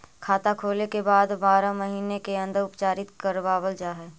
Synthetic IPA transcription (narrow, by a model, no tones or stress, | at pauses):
kʰaːt̪akʰoːlekebaːd̪baːɾãməɦiːnekeə̃nd̪əɾʊpt͡ʃaːɾɪt̪kəɾʋaːwəld͡ʒaːɦɛː